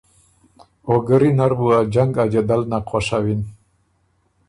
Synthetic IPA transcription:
oɡəɾinaɾbuad͡ʒaŋɡad͡ʒad̪alnaqʰɔʂawin

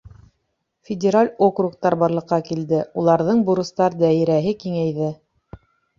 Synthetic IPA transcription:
fʲɪdʲɪɾalʲokruk̚t̪ɑɾbɑɾlˠɤ̆qːɑkild̪ɘulˠɑɾðɤɴbuɾɤ̆st̪ɑɾd̪æiɾæɦɘkiŋæjðɘ

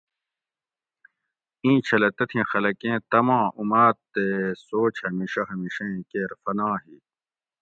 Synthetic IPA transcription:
ĩːt͡ɕʰɐlɐt̪ɐt̪ʰĩxɐlɐkẽːt̪ɐmãːʔumaːt̪ːesoːt͡ɕhɐmiːɕɐɦɐmiɕẽkeːɾfɐnãːɦi

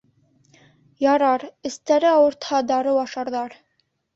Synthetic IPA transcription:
jɑɾɑɾɘ̆st̪æɾɘɑwɤ̆ɾt̪hɑd̪ɑɾɤwɑʃɑɾðɑɾ

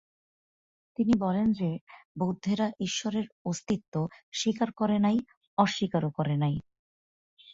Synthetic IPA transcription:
t̪inibɔlend͡ʑebowd̪ʱːeɾaʔiʃːoɾeɾost̪it̪ːoʃikaɾkɔɾenaj | ɔʃːikaɾokɔɾenaj

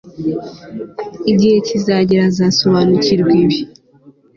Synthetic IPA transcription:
iɟihecizaɟiɾazasoβanuciɾɡiβi

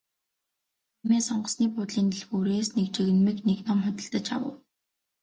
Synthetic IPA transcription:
meːsɔɴɢə̆sniːpʊt̪ɮiːnt̪iɮxuːɾeːsnek̚t͡ɕeɣɘ̆nmikneknɔmχʊt̪ʲɪ̆ɬt̪ə̆t͡ɕa̰wə̰̆w

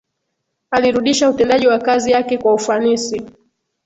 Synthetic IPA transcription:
aliɾuɗiʃautɛndaʄiwakazijakɛkwaufanisi

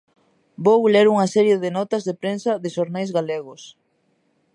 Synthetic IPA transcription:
bowleɾuŋɐsɛɾjeðɪnɔt̪ɐzðepɾensɐðɪʃoɾnajzɣaleɣ̞ʊs

